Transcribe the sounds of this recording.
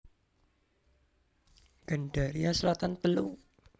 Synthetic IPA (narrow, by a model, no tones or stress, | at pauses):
ɡ̥aɳɖa̤ɾiaslat̪anp̪əlu